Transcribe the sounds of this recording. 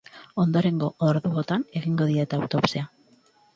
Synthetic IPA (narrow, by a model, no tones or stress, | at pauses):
o̞nd̪o̞ɾe̞ŋɡo̞ʔoɾðuot̪ane̞ɣiŋɡo̞ðiet̪awt̪o̞psea